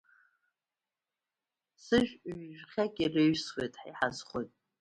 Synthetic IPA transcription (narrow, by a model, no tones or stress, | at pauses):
sɨʒᶣɥʒᶣχʲakʲʼireɥswejtʼħiħazχʷojtʼ